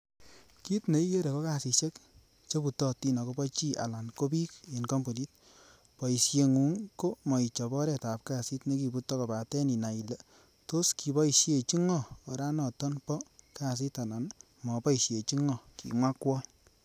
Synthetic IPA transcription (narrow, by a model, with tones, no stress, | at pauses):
ki˦tne˨˦i˦je˦ɾe˨ko˦ka˦˨si˧ʃe˦k | t͡ʃe˦pu˨tɔ˦ti˦nɔ˨ko˦bɔ˦t͡ʃi˦a̰˨la˨nko˦bi˦ke˨nkɔ˦mbu˨ni˦t̚ | pɔ˨i˨sje˨ŋu˨˦ŋko˦mɔ˨i˨t͡ʃɔ˨bɔ˦ɾɛ˨ta˨p̚ka˦˨si˦tne˦ki˨bu˨˦tɔ˦kɔ˨ba˨tɛ˦ni˨na˨i˨le˨ | to˦ski˨bɔ˦i˨sje˨t͡ʃi˦ŋɔː˦˨ɾa˦nɔ˨tɔ˦npɔ˦ka˦˨s̬i˦ta˨la˨n | mɔ˨pɔ˦i˨sje˨t͡ʃi˦ŋɔ˨kḭ˨mwa˦kwɔ˦